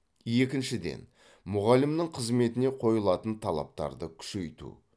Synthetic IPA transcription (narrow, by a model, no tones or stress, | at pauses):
je̞kʲɪnʃɪd̪e̞̰n | mʊʁɑlɪmnɪŋqʰəzme̞t̪ɪne̞qʰo̞jəlˠɑt̪ənt̪ʰɑlˠɑ̰p̚t̪ɑ̰ɾd̪əkʲʰʏ̥ʃe̞jt̪ṵ